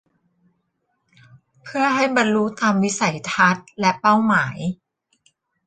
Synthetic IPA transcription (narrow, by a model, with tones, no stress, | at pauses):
pʰɯ˥˩ɐɦa˥˩jba˧nɾu˦˥t̪aː˧mwi˦˥sa˨˩˦jt̪ʰa˦˥t̪̚lɛ˦˥pa˥˩wmaː˩˦j